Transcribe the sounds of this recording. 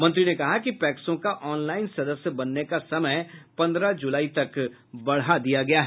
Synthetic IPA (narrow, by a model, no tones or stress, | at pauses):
mɐ̃nt̪ɾinekɐɦakipɛːksõkaʔɔːnlaːɪnsɐd̪əsjəbɐnːekasɐməjpɐ̃nd̪ɾad͡ʒʊlaːit̪ɐk | bɐɽɦad̪ijaɡɐjaɦ